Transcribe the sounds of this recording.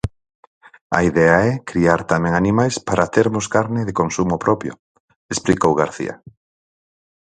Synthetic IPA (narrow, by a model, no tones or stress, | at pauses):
a̰iðɛaɛkɾiaɾt̪amɛ̃ŋanimajspaɾʔat̪eɾmʊskaɾnɪðɪkonsumʊpɾɔpjo̰ | esplikowɣaɾθḭa̰